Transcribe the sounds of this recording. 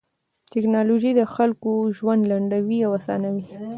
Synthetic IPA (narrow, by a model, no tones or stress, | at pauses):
tɪknɑloʒid̪əxalkoʒwand̪laɳɖawiawasɑ̰nawi